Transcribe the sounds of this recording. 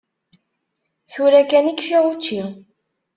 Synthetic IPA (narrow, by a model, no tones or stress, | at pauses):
θuɾækænikfiʁut͡ʃːi